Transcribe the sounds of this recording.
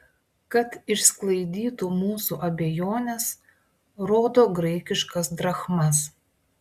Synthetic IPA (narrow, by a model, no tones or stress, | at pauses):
kɐt̪ɪʃsklˠɐɪd̪ʲiːt̪umuːsuːʔɐbʲejoːnʲɛs | ɾoːd̪oːɡɾɛɪkʲɪʃkɐsd̪ɾɐxmɐs